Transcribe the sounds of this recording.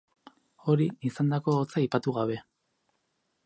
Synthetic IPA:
o̞ɾiisand̪ako̞ːt͡saipat̪uɣaβ̞e̞

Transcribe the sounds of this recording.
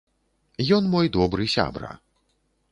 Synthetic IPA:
jɔnmɔjd̪ɔbɾɨsʲa̰bɾɐ̰

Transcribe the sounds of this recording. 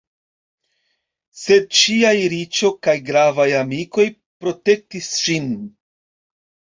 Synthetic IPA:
se̞d̚t͡ʃiajɾit͡ʃo̞kajɡɾavajamiko̞j | pɾo̞te̞k̚tisʃin

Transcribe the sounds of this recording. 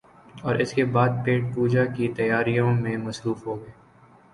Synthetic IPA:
ɔːɾʔɪskebaːd̪̚peːʈ̚puːd͡ʒakit̪ɐjaːɾijõmẽmɐsɾuːfɦoːɡeː

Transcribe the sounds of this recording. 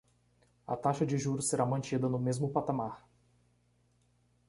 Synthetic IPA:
ɐ̰t̪aʃɐd͡ʒɪʒuɾʊseɾamɐ̃nt͡ʃid̪ɐnʊmezmʊpat̪amaɾ

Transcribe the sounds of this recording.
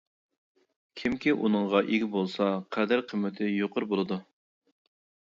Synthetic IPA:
kʲʰimkʲiʔunɨŋʁɑʔeɡʲibolˠsɑqʰæd̪æɾqʰəmːɪt̪ʰɪjoqʰəɾbolˠɨd̪u

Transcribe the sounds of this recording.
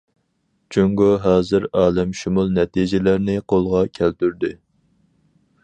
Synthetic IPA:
t͡ʃʰuŋɡuɦɑːzɨɾɑːlɛmʃumulˠnɛt̪id͡ʒɪlæɾnɪqʰolˠʁɑkʲʰælt̪yɾd̪ɪ

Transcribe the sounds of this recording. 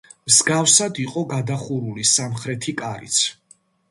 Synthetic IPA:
mzɡafsad̪iqʼɔɡad̪aχuɾulisamχɾɛt̪ʰikʼaɾḭt̪sʰ

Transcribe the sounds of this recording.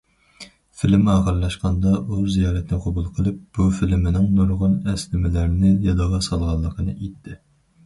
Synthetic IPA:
fɪlɪmɑːχəɾlˠɑʃqɑnd̪ɑʔuzijɑːɾɛt̪nɪqʰobulˠqʰəlˠɨp̚b̥ufɪlmɪnɪŋnuɾʁʊnɛslɪmɪlæɾnɪjɑd̪ɑʁɑsɑlˠʁɑlˠːəqʰənɨʔet̪ʰːɪ

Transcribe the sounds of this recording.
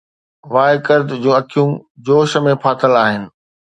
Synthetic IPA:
ʋaːɪkəɾd̪d͡ʑũːɐkʰijũd͡ʑoːʃəmẽpʰaːt̪ʰəlaːɦɪnɪ̆

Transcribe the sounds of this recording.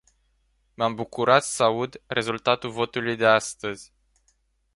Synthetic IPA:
mambukuɾat̪səaud̪re̞zult̪at̪ulvo̞t̪ulujd̪e̞ast̪əzʲ

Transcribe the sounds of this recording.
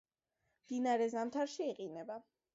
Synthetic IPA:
md̪̥inaɾɛzamt̪ʰaɾʃiːqʼinɛba

